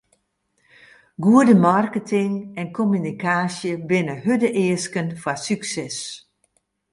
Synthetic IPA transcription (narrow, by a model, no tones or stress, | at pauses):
ɡuədəmarkətʰɪŋɛnkʰomynikʰaːsjəbɪnəhødəʔɪːəskənfasyksɛs